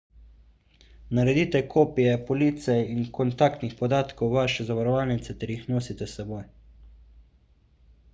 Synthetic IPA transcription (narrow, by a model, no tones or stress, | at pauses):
naɾɛd̪iːt̪ɛkʰoːpijɛpɔliːt̪sɛinkɔnt̪aːkt̪nixpɔd̪aːt̪kɔwʋaːʃɛzaʋaɾɔʋaːlnit̪sɛt̪ɛɾjixnoːsit̪ɛsɛboj